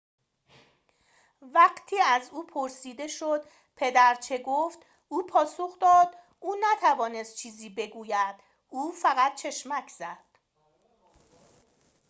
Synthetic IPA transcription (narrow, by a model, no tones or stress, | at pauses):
væɢt̪ʰiːæzuːpʰoɾsiːd̪e̞ʃod̪ | pʰe̞d̪æɾt͡ʃʰe̞ɡoft̪ | ʔuːpʰɒːsoχd̪ɒːd̪̥ | ʔuːnæt̪ʰævɒːne̞st̪̚t͡ʃʰiːziːbe̞ɡuːjæd̪̥ | uːfæɣæt̪̚t͡ʃʰe̞ʃmæcʰz̥æd̪̥